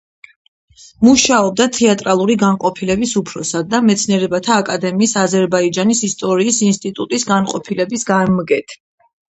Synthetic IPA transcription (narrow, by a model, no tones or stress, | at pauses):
muʃaɔb̚d̪at̪ʰɛat̪ʼɾalˠuɾiɡanqʼɔpʰilɛbisupʰɾɔsad̪ːamɛt̪sʰniɛɾɛbat̪ʰaːkʼad̪ɛmiːsazɛɾbaid͡ʒanisist̪ʼɔɾiːsinst̪ʼit̪ʼut̪ʼisɡanqʼɔpʰilɛbisɡamɡɛt̪ʰ